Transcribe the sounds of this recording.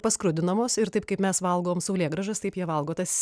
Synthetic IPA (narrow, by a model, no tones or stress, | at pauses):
pɐskɾʊd̪ʲɪnɐmoːsɪɾt̪ɐɪpkɐpmʲɛsʋɐlˠɡoːomsɐʊlʲeːɡɾɐʒɐst̪ɐɪpjiɛʋɐlˠɡoːt̪ɐs